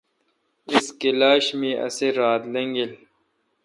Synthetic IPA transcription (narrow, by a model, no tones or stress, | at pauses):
iskilaːɕmiʔɐ̰seɾaːt̪lɐŋɡil